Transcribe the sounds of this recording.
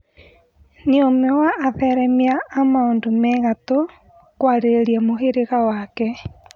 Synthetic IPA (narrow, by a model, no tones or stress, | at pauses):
niomɛwaːðɛɾɛmiaːmaondomɛɣato | kwaːɾeɾeɾiamoɦeɾeɣawakɛ